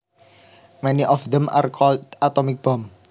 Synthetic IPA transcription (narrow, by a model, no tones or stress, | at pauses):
mɛniʔɔfðɛ̃ma̰rkʰɔlat̪ɔmɪk̚b̥ɔm